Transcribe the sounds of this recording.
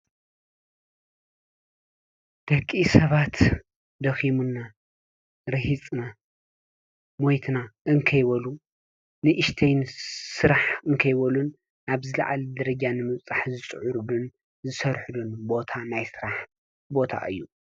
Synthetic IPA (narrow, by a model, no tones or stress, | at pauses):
d̪̥ɐkʼːisɐβat̪ | d̪ɐximunːa | ɾɨhit͡sʼna | mojt̪ʰnaʔɨŋkʰɐjwɐlu | nɨʔɨʃt̪ʰejnsɨɾaħɨŋkʰɐjwɐlun | aβzɨlɐ̰ʕa̰ld̪ɐɾɐd͡ʒanɨmɨβt͡sʼaħzɨt͡sʼʕuɾlun | zɨsɐɾħulunbo̞t̪ʰanajsɨɾaħ | bo̞t̪ʰa̰ʔɨ̰jːu